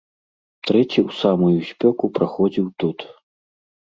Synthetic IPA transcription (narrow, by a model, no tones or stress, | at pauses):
t̪ɾɛt͡sʲiwsamujusʲpʲɔkupɾaxɔd͡zʲiwt̪ut̪